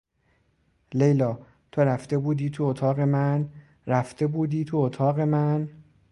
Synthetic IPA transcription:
lejlɒː | t̪ʰo̞ɾæft̪e̞buːd̪iːt̪ʰuot̪ʰɒːɣe̞mæn | ɾæft̪e̞buːd̪iːt̪ʰuot̪ʰɒːɣe̞mæn

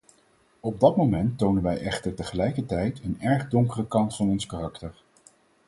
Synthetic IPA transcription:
ɔb̚dɑtmowmɛntːownənʋɛjʔɛχtəɹtəχəlɛjkəɹtɛjtənɛɹχdɔŋkərəkɑntfɑnɔnskarɑktəɹ

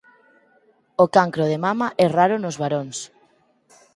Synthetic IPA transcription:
okaŋkɾoðemamaʔɛraɾʊnozβaɾoŋs

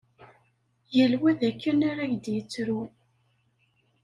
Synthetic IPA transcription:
jəlwæðækːənaɾaʝd̪jət͡sːɾu

